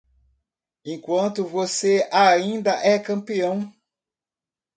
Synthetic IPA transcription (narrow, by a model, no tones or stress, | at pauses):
ẽkwɐ̃nt̪ʊvoseaĩnd̪ɐʔɛkɐ̃mpiɐ̃w̃